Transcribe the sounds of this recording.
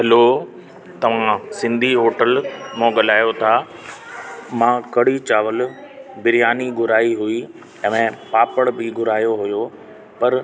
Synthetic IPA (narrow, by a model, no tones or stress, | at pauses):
ɦɐlo | t̪ɐʋ̤ãsɪ̃nd̪ʱiɦoːʈəlmõːɠɐlaːjot̪ʰaː | mãːkɐɽ̤it͡ɕaːʋəl | bɪɾɪjaːniɡʊɾaːiɦui | ɛ̃mẽpaːpəɽbʱɪɡʊɾaːjoɦʊjo | pɐɾ